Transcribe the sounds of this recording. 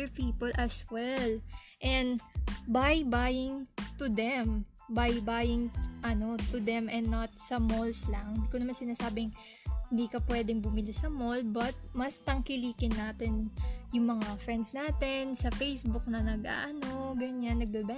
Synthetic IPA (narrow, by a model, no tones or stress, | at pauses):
ɹpiːpolʔɐswɛl | ʔɛnd̪bajbajɪŋt̪ʊd̪ɛm | bajbajɪŋʔɐno̞t̪ʊd̪ɛmɛ̃nːɐt̪̚sɐmolslɐŋnd̪iːkonɐmansɪnaːsaːbɪŋ | hɪnd̪iːkɐpwɛːd̪ɛŋbʊmɪlɪsɐmolbɐt̪̚mɐst̪ɐŋkɪliːkɪnːaːt̪ɛnjʊŋmɐŋafɹɛnd̪snaːt̪ɛnsɐfejsbʊk̚nɐnɐɡʔa̰ʔɐno̞ɡɐɲanːɐɡ̚bɛbɛ